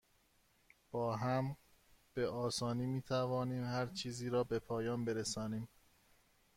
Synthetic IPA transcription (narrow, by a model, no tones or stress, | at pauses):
b̥ɒːɦæm | b̥e̞ʔɒːsɒːniːmiːt̪ʰævɒːniːmhæɾt͡ʃʰiːziːɾɒːbe̞pʰɒːjɒːnbe̞ɾesɒːniːm